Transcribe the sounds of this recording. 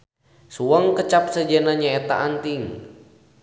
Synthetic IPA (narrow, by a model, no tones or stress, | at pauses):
suaŋkət͡ʃap̚səd͡ʒɛnaɲaɛt̪a̰ʔant̪iŋ